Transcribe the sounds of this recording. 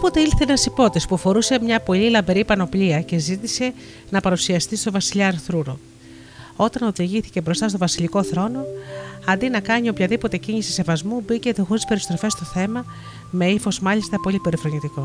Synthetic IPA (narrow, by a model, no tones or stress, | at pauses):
opo̞t̪e̞ilθe̞nɐsipo̞t̪ispufo̞ɾuse̞mɲɐpo̞ʎilɐbe̞ɾipɐno̞pliɐce̞zit̪ise̞ | nɐpɐɾusiɐst̪ist̪o̞vɐsiʎɐɐɾθɾuɾo | o̞t̪ɐno̞ðiʝiθi̥ce̞bɾo̞st̪ɐst̪o̞vɐsiʎiko̞θɾo̞no̞ɐnd̪inɐkɐɲio̞pçɐðipo̞t̪e̞ciɲisi̥se̞vɐzmubice̞t̪ixoɾispe̞ɾist̪ɾo̞fe̞st̪o̞θe̞mɐ | me̞ifo̞zmɐʎist̪ɐpo̞lipe̞ɾifɾo̞ɲit̪iko̞